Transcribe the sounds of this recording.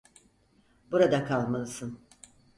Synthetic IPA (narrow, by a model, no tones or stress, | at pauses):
buɾad̪akʰalˠmalˠɯsɯn